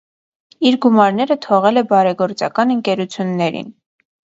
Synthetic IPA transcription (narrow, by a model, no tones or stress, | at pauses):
iɾɡumɑɾn̪ɛɾət̪ʰɔʁɛlɛbɑɾɛɡɔɾt͡sɑ̰kɑnəŋkɛɾut͡sʰjunːɛɾḭn